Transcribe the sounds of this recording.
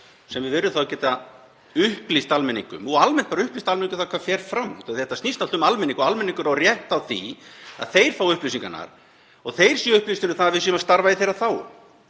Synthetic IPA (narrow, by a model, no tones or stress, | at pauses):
sɛmvɪvɛːɾʏθawcɛːt̪a | ʏhplist̪almɛniŋkʏ̰mɔɣalmɛnt̪paːɾaʏhplist̪almɛniŋkʏ̥θawkʰvafjɛɾ̥fɾamːṵt̪aθjɛht̪asnist̪alt̪ʏmalmɛniŋkɔalmɛnĩŋkʏɾawrjɛht̪awθḭa̰ðθejɾ̥faːwʏhplisiŋkanːa̰ɾ̥ | ɔɣθejɾ̥sɛʏhplist̪ʏɪnʏθanavɪs̬imast̪aɾvaiθejɾaθaw